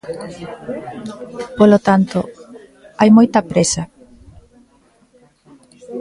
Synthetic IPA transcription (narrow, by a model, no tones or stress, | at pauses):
polot̪ant̪o | ajmojt̪ɐpɾesɐ